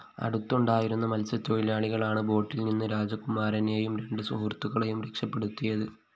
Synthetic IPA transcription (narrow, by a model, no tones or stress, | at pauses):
ɐ̰ɽut̪ːuɳɖaːjiɾunːɐmɐlsɐt̪ːoɻilaːɭiɣɐɭaːɳɨbo̞ːʈːilninːɨɾaːd͡ʑɐkumaːɾɐne̞ːjumɾe̞ɳɖɨsuɦurt̪ːuɣɐɭejumɾekʂɐpːe̞ɽut̪ːijɐðɨ